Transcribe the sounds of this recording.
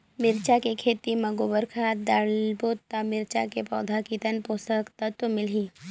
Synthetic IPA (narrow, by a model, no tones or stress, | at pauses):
mɪɾt͡ʃakekʰeːt̪imɐɡoːbəɾkʰad̪aːɭboːt̪ːamɪɾt͡ʃa̰kepɔ̰ːd̪ʱakit̪ənpoːsəkt̪ɐt̪wəmɪlɦiː